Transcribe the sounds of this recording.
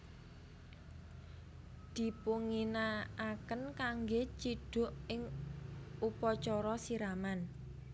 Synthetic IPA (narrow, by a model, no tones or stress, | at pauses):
d̪̥i̤puŋinaakənkaŋɡet͡ʃiɖ̥ʊ̤ʔɪŋ | ʔupɔt͡ʃɔɾɔsiɾaman